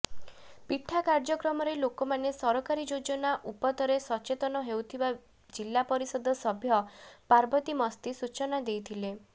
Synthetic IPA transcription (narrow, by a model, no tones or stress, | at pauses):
piʈʰːakaɾd͡ʒɔkɾɔmɔɾelokɔmanesɔɾɔkaɾid͡ʒod͡ʒɔnaʔupɔt̪ɔɾesɔt͡ʃet̪ɔnɔɦewt̪ʰiba | d͡ʒilːapɔɾisɔd̪ɔsɔbʱjɔpaɾbɔt̪imɔst̪isut͡ʃɔnad̪ejt̪ʰile